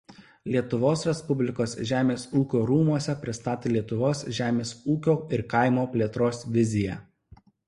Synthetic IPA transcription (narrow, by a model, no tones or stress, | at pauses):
lʲiɛt̪ʊʋoːsɾʲɛspʊbʲlʲɪkoːsʒʲæːmʲeːsuːkʲoːɾuːmuɔsʲɛpʲɾʲɪst̪ɑːt̪ʲeːlʲiɛt̪ʊʋoːsʒʲæːmʲeːsuːkʲoːɪɾkɐɪmoːpʲlʲiɛt̪ɾoːsʋʲɪzʲɪjæ̰